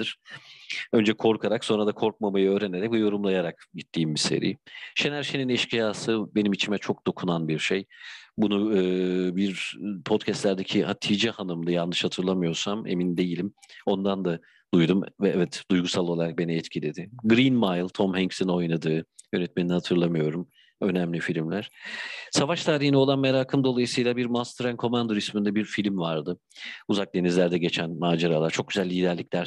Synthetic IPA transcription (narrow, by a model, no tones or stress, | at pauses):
iɾ̥ | ø̞nd͡ʒɛkʰo̞ɾkʰaɾakso̞nɾad̪akʰo̞ɾk̚mamajɯøːɾene̞ɾɛc̚bujo̞ɾumlˠajaɾakɟit̪ʰːiːmbise̞̰ɾḭːʃenæɾʃeninɛʃcijaːsɯbe̞nimit͡ʃʰimɛt͡ʃʰo̞k̚d̪o̞kʰunanbiɾʃejbunuɯːbiɾpʰot̪cʰɛst̪lʲæɾd̪ecʰihat̪ʰid͡ʒɛhanɯmd̪ajanːɯʃhat̪ʰɯɾlˠamɯjo̞ɾsame̞̰mind̪e̞jilʲimo̞nd̪and̪a | d̪̥ujd̪umvɛɛvɛt̪d̪̥ujɡusalˠo̞lˠaɾak̚be̞niɛt̪cʰilʲed̪ɪɡɾinmajlˠt̪ʰo̞mhɛŋsino̞jnad̪ɯːjø̞nɛt̪̚me̞ninihat̪ʰɯɾlˠamɯjo̞ɾum | ø̞næmlʲifilʲimlʲæɾ̥savaʃt̪ʰaːɾihinio̞lˠanme̞ɾaːkʰɯmd̪o̞lˠajɯsɯjlˠabiɾmast̪ɾænkʰo̞mand̪o̞ɾismind̪ɛbiɾfilʲmvaɾd̪ɯ | uzak̚d̪e̞nizlʲæɾd̪ɛɟe̞t͡ʃʰænmaːd͡ʒaɾalˠaɾt͡ʃʰo̞k̚ɟyzælʲːiːd̪æɾlʲicʲlʲæɾ